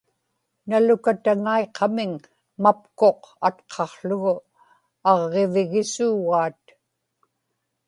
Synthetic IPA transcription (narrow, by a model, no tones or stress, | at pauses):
nalʊkat̪aŋaeqʰɑmɪŋ | mapko̞qat̪qʰɑχɬʊɣʊ | ɑʁːe̞vɪɣɪsuːɣaːt̪